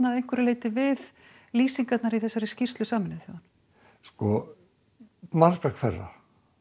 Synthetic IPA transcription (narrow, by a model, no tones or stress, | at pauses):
naðejŋ̥kvʏɾɪleːjt̪ɪvɪð | liːsiŋkat̪naɾiθɛsːaɾɪscir̥t̪lʏsaːmɪnɪθjoðan | skɔ | maɾkakʰvɛrːa̰